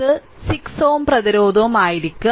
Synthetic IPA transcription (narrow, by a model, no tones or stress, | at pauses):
ɨ | siksoːmprɐðiɾo̞ːd̪ʱɐumaːjiɾikʲːu